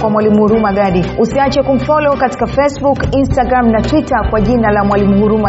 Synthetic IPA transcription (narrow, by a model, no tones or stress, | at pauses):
kwamwalimuhuɾumaɡaɗiusiat͡ʃɛkum̩fɔlɔɔkati̥kafɛsbukinstaɡɾamnatwitakwaʄinalamwalimuhuɾuma